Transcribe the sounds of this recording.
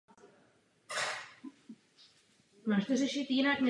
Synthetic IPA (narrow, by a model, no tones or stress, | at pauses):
maːʃt̪ɛɾɛʃɪt̪jɪnaknɛ